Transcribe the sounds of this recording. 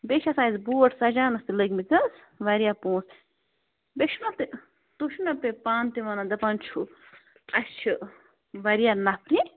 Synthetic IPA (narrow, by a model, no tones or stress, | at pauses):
beʃɐsãːizbuɐʈʰsɐd͡ʒaːnɐst̪iləɡmikɐs | ʋɐɾʲjapõːs | beʃunɐt̪i | t̪uʃunɐpepãːnt̪iʋɐnad̪ɐpant͡ʃʰu | ɐst͡ʃʰɨ | ʋɐɾijanɐpɾi